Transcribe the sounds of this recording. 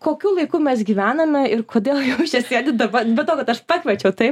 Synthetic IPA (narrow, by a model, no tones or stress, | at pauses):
koːkʲuːlˠɐɪkuːmʲɛsɡʲiːʋʲæːnɐmʲɛɪrkʰoːd̪ʲeːlˠjɛʊʃʲɛsʲt̪ʲiɛlʲd̪ɐbɐbʲɛt̪oːkɐt̪ɐʃpɑkʲʋʲɛt͡ʃʲɛʊt̪ɐɪp